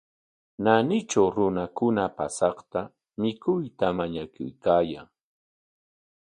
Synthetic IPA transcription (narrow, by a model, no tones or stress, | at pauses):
nanɪt͡ʃawɾʊnakʊnapasɑχt̪a | mɪkʊjt̪amaɲakʊ̰jkaːjaŋ